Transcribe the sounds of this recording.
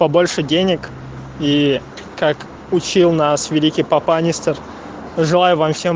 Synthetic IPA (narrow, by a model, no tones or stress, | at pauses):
pɐbo̞lʲʂɨdʲenʲɪk | i | kak | ʊt͡ɕilˠnasvʲɪlʲikʲɪjpapanʲɪst̪ər | ʐɨlˠajʊvamfsʲem